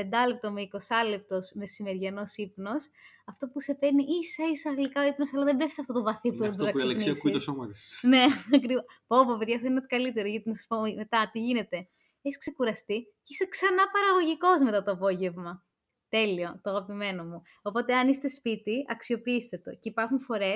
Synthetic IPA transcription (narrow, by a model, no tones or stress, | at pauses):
pe̞nd̪ɐlep̚t̪o̞meiko̞sɐlep̚t̪o̞sme̞simeɾʝɐno̞sipno̞s | ɐft̪o̞puse̞peniʔisɐisɐɣlikɐoipnosɐlɐðembefi̥sɐft̪ot̪ovɐθipuðed̪uɾɐkslnsiskt̪osomɐt̪isne̞ɐkɾipo̞vopeðʝɐsɐinet̪i̥kɐlit̪e̞ɾoʝɐt̪inɐsɐ̥spomme̞t̪ɐt̪iʝine̞t̪e̞ | eçiskse̞kuɾɐst̪icisɐksɐnɐpɐɾɐɣo̞ʝiko̞zme̞t̪ɐt̪oɐpo̞ʝe̞vmɐ | t̪e̞lio̞t̪oɐɣɐpime̞no̞mu | opo̞t̪e̞ɐnist̪e̞spit̪iɐksio̞piist̪e̞t̪o̞̰ceipɐɾxunfo̞ɾe̞s